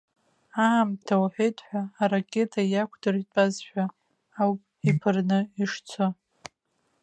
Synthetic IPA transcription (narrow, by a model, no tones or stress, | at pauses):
aːmtʰawħʷᶣejtʼħʷaːrakʲʼe̞tʰajakʷʰdɨrtʼazħᶣʷaː | wpʼipʰɨrnɨiʂt͡sʷʰo